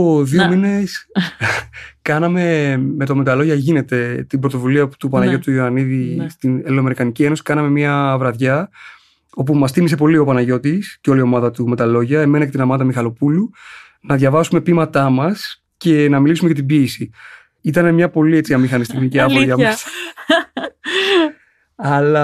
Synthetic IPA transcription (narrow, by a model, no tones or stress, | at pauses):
oðiomine̞s | kɐnɐme̞me̞t̪o̞me̞t̪ɐlo̞ʝɐʝine̞t̪e̞t̪ibɾot̪o̞vuliɐu̥t̪upɐnɐʝo̞t̪uioɐniðist̪inelome̞ɾikɐnicie̞nosi̥kɐnɐme̞miɐvɾɐðʝɐ | o̞p̬umɐst̪imise̞po̞lio̞pɐnɐʝo̞t̪isceo̞lio̞mɐðɐt̪ume̞t̪ɐlo̞ʝɐe̞me̞nɐce̞t̪inɐmɐt̪ɐmixɐlo̞pulu | nɐðʝɐvɐsume̞pimɐt̪ɐmɐs | ce̞nɐmilisumeʝɐt̪ibiesi | it̪ɐne̞mɲɐpo̞lie̞t͡siɐmixɐnist̪ikmiceɐvoʝɐmss | ɐlɐ